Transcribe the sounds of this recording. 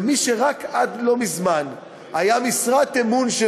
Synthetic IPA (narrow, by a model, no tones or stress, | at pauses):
miʃeʁakad̪lo̞mizman | hajamisʁat̪emunʃe